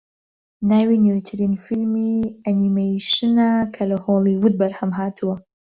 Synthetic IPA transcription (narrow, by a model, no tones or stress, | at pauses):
naːwinewt̪ʰɨɾinfilmiɐnimejʃɨnakʰɐlɐhoːliwʊd̪̚bɐɾhɐmɦaːtʰuwɐ